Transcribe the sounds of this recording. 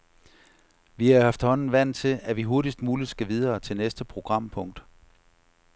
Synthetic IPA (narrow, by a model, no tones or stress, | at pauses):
ʋiæhɑ̈fd̥hɒ̽n̰n̩ʋæn̰t͡sʰe̝læʋiɦo̝ɐɾ̥isd̥muːlid̥sɡ̥æʋið̞ˠɐːt͡sʰe̝lnesd̥əpʰʁo̝ɡ̥ʁɑ̈m̰pʰɔ̽ŋ̰d̥